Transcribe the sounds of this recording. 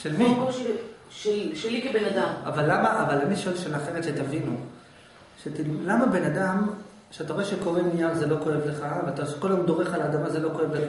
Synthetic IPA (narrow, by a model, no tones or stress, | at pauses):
ʃelmi | ʃeʃelikebenad̪amavalːamaʔavalaniʃoelʃelaaχe̞ʁetʃet̪avinu | ʃet̪illamabe̞nad̪am | ʃeat̪aʁoeʃekoevnijaʁzelo̞ko̞evleχaveat̪ase̥kolemd̪o̞ʁe̞χalaːd̪amazelo̞ko̞e̞vlea